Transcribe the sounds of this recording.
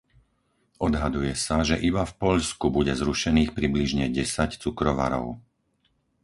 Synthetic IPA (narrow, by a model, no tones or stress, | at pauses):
ʔɔd̪ɦad̪ujɛsaʒɛʔibafpɔʎskubuɟɛzɾuʃɛniːxpɾibliʒɲɛɟɛsact͡sukɾɔʋa̰ɾɔ̰ʊ